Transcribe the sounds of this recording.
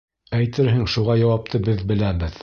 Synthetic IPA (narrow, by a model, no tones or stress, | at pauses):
æjt̪ɘɾɦɘŋʃuʁɑjɑwɑp̚t̪ʰɤbɘðbɘ̆læbɘð